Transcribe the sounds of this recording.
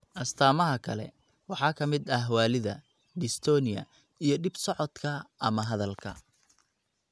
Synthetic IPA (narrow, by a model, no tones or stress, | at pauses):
ʔɐst̪ʰaːmɐɦɐkʰɐlɛ̰ | wɑħɑːkʰɐmɪd̪ɐhwaːlɪðɐ̰ | dɪst̪ʰɔːnɪjɐ̰ | ijɞɖɪbsɔʕɔd̪kʰɐɐmɐɦɐðɐlkʰɐ̰